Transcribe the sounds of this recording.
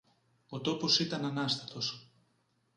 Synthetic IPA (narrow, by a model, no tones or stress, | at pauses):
ot̪o̞po̞sit̪ɐnɐnɐst̪ɐt̪o̞s